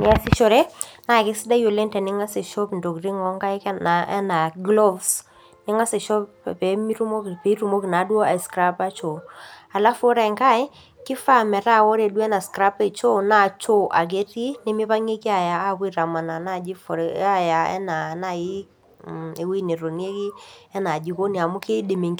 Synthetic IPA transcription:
nɪ˦a˦sɪ˦ʃɔ˦˨ɾe˦na˨kɪ˦sɪ˦da˦jo˨le˦ntɛ˨nɪ˦ŋa˦sɪ˨ʃɔ˦pndo˨krɪ˦ŋɔ˦ŋka˦ɪ˦kna˨ɛ̰˦na˨ɡlɔ˦vs | nɪ˦ŋa˦sɪ˨ʃɔ˦ppɛ˨˦mi˦ɾu˦mo˦kpe˨˦ɾu˨mo˦kna˨˦dwo˦a˨skɾa˦pa˦t͡ʃo˨a˨la˦fo˦ɾa˨ɪ˨ŋka˦ɪ˦ | kɪ˦fa˦mɛ˨ɾa˦wɔ˦ɾe˨dwɛ˦na˨skɾa˦pe˨t͡ʃo˦na˦˨t͡ʃo˦ʔa˨k̬e˦ti˦nɪ˦mɪ˦pa˦ŋe˦kɪ˦a˨jaː˨˦k̬i˦ɾa˨ma˨na˨na˦˨d͡ʒɪ˦fɔ˨ɾa˦˨ja˨ɛ̰˦na˨na˨i˦ | e˨wi˦ne˨ɾo˨nje˦kɪ˦ɛ˦na˨d͡ʒi˨ko˦ni˨a˨mʊ˦ke˦dɪ˨me˨ŋ

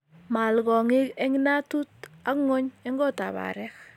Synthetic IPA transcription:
ma˨lɣɔ˨ŋɪ˦ɛ˦ŋi˦na˦tu˦ta˦kŋɔ˦ɲɛ˦ŋɡɔ˦ta̰˨βa̰ɾɛ˦k

